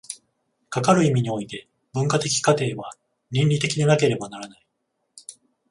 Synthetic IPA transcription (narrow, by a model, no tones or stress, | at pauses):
kakaɾɯ̟imʲiɲ̟io̞it̪e̞ | bɯ̟̃ŋkat̪e̞kʲi̥kat̪e̞ːβa | ɲĩnɾʲit̪e̞kʲid̪e̞nake̞ɾe̞banaɾanai